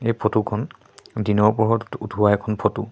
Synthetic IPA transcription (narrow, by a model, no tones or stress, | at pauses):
ejpʰotukʰɔn | dinɔɹpɔɦɔtutuwaɛkʰɔnpʰotu